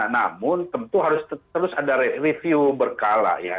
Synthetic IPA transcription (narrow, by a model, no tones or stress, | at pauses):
na̰mʊnt̪əmt̪uɦaɾʊstt̪əɾʊsadaɾerefiubərkala̰ʔja̰